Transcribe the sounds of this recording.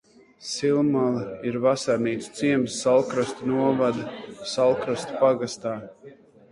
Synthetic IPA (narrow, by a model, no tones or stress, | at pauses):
silˠmalˠiɾvasaɾniːt̪st̪siɛmsːalˠkɾast̪unuɔvad̪asalˠkɾast̪u̥paɡast̪aː